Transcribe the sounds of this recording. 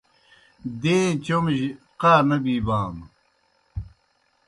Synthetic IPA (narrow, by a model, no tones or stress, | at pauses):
d̪eːt͡ɕomʑqaːnɐbiːbaːm